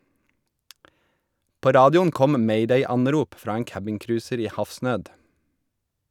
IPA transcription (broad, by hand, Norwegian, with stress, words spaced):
ˈpoː ˈɾɑːdɪʊn ˈkɔm ˈmeɪˌdeɪˌɑnˌɾuːp ˈfɾɑː ˈeːŋ ˈkæbɪŋˌkɾʉːsəɾ ˈiː ˈhɑfˌsnøːd